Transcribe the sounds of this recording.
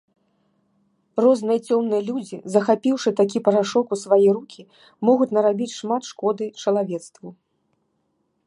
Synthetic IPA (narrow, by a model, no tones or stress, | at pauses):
rɔznɨjɐt͡sʲɔmnɨjɐlʲud͡zʲizɐxapʲiwʂɨt̪ak̬ʲipɐɾaʂɔkusvajɛɾukʲi | mɔɣut͡sʲnɐɾabʲit͡sʲʂmat̪ʂkɔd̪ɨt͡ʂɐlˠavʲɛt̪st̪vu